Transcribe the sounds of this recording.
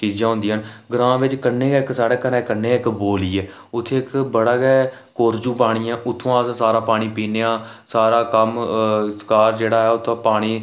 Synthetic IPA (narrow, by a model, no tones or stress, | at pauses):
kiːd͡ʒãːõːnd̪iːɦnɡɾãːʋɪt͡ʃkənːeːɪksaːɽeːkəɾɛ̃ːkənːeːɪkboːliːɛː | ʊt̪ʰːeːɪkbəɽaːɡɛː | koːɾd͡ʒuːpaːɽ̃iːãːʔʊt̪ʰːõːaːssaːɾãːpaːɽ̃iːpiːneːãːsaːɾaːkəmskaːɾd͡ʒeːɽaːɦɛːʊt̪ʰːãːpaːɽ̃iː